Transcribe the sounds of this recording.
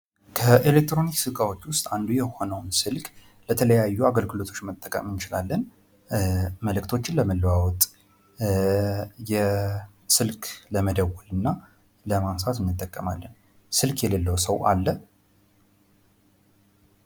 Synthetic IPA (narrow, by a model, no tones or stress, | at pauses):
kʰəʔelek̚t̪ɾo̞niksɨkʼawo̞t͡ʃːwʊst̪ʼand̪ujɛho̞nəwnsɨlkʼ | lət̪ʰələjajːuaɡəlɡɨlo̞t̪ʰo̞t͡ʃːmət̪ʼːəkʼə̰mɨnt͡ʃɪlalːən | məlɨkt̪ʰo̞t͡ʃːɪnləməlːəwawɔt̪ʼ | jɛ | sɨlkʼʰləməd̪əwɔlɨnːa | ləmamsat̪ɨnːɨt̪ʼːəkʼːəmalːən | sɨlkʰjɛləlːəwsəwʔa̰lːə